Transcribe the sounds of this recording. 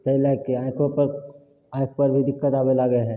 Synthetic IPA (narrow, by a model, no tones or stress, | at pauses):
sɐilaːɪkːeaːɪkʰopɐɾ | aːɪkpɐɾbʱid̪ɪkːət̪aːbelaːɡəeɦɛ̃ː